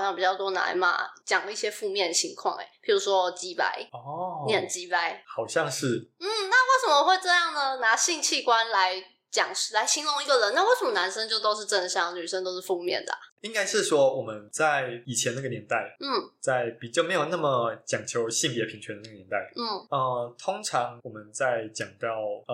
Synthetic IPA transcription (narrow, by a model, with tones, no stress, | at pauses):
ɕɑ˥˩ŋ˩pi˨˩t͡ɕjɑ˥˩ʊt̪wɔ˥na̰˧˥nma̰˧t͡ɕjɑ˨˩ŋi˥˩ɕjɛ˥fu˥˧mjɛ˥˩nd̪ə˩ɕʰi˧˥ŋkʰwɑ̰˥˩ŋḛ˩pʰi˨˥ɻu˧˥ʂwɔ˦˥t͡ɕi˥pa̰˧˥ɪɔ˦˥njɛ˨˩nt͡ɕi˥pa˥ɪxɑ˨˩ʊɕjɑ˥˧ŋʂɻ̩˥˩n̩˥˩na˥˧we˥˩ɪʂə˨˩mə˧xwe˥˧ɪʈ͡ʂɤ˥˧jɑ˥˩ŋd̪ə˩na˧˥ɕi˥˧ŋt͡ɕʰi˥˧˩kwa˦nla˧˦ɪ | t͡ɕjɑ̰˨˩ŋ˩la˧˥ɪɕi˥ŋlʊ˥˧ŋi˧˥ɡə˨ɻə˧˥na˥˧we˥˩ɪʂə˨˩˦mə˧na˧˦nʂə˥ŋt͡ɕjo˥˧ʊt̪o˥ʊʂ̬ɻ̩˥˧ʈ͡ʂə˥˧n˩ɕjɑ˥ŋny˨˩ʂə˧˥ŋt̪o˥ʊʂɻ̩˥˩fu˥˧mjɛ̰˥˨˩nd̪ə̰˩i˥ŋka˥ɪʂɻ̩˥˩ʂwɔ˦wɔ˨˩mə˦nt͡sa˥˩ɪi˨˩t͡ɕʰjɛ˧˦n˥ɡə˨njɛ˧˦nt̪a˥˩ɪn̩˥˩t͡sa˥˩ɪpi˨˩t͡ɕjʊme˧˥ɪjo˨˩ʊna˥˩mə˩t͡ɕjɑ˨˩ŋt͡ɕʰjo˧˥ʊɕi˥˩ŋpjɛ˧˥pʰi˧˥ŋt͡ɕʰɥɛ˧˥d̪ə˩na˥˩ɡnjɛ˧˦nt̪a˥˩ɪn̩˥˩ə˧t̪ʰʊ˥ŋʈ͡ʂʰɑ˧˦ŋwɔ˨˩mə˦nt͡sa˥˩ɪt͡ɕjɑ˨˩ŋt̪ɑ˥˩ʊ